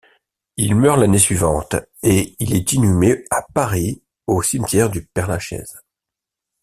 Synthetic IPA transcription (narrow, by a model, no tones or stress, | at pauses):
ilmœʁlanesɥivɑ̃t̪eilɛt̪inymeapaʁi | osimt̪jɛʁd̪ypɛʁnaʃɛ̰z̥